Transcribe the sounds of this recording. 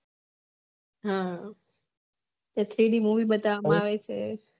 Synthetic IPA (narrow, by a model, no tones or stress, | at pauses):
ɦã | t̪jat̪ʰɾiɽimuʋibət̪aʋamãaʋet͡ʃʰe